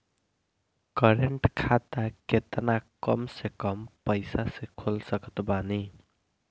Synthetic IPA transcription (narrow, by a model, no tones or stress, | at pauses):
kʌɾeɳʈkʰat̪aket̪nakʌmsekʌmpʌjsasekʰolsʌkʌ̥t̪bani